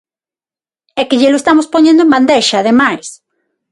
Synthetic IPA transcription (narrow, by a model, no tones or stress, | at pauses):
ɛkeʎeloest̪amospoɲẽnd̪oemband̪eʃaːðemajs